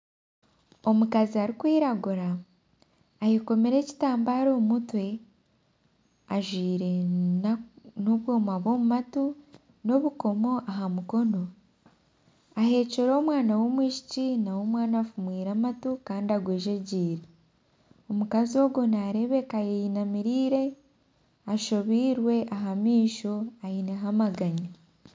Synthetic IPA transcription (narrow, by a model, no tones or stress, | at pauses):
o̞mukaziaɾikwiːɾaɡuɾaː | jeko̞meɾe̞ci̥taːmbaːɾoːmutwe̞ | aʒwiːɾe̞nnoβwoːmaβo̞ːmumatu | no̞βuko̞mo̞ʔaɦamuko̞no̞ | aɦe̞ceɾo̞ːmwaːnawo̞mwiːʃi̥cinawo̞mwaːnafumwiːɾamatukaːndiaɡweːʒeɟiːɾe | omukazio̞ːɡonaɾe̞βe̞kajejinamiɾiːɾe̞ | aʃoβiːɾwe̞ʔaɦamiːʃo̞ajineɦamaɡaɲa